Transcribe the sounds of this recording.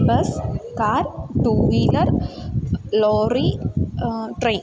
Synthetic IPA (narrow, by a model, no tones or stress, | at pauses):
bɐskaːɾʈuːʋilɐɾ | loːɾi | ʈɾeɪn